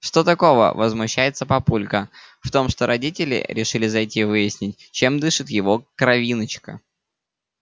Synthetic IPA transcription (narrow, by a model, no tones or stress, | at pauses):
ʂt̪ot̪ɐko̞və̰vəzmʊɕːæjɪt̪səpɐpulʲkəft̪o̞mʂt̪o̞ɾɐdʲitʲɪlʲɪ̰ɾʲɪʂɨlʲɪzɐjtʲivɨjɪsʲnʲɪt̚ʲt͡ɕemd̪ɨʂɨt̪jɪvo̞kɾɐvʲinət͡ɕkə̰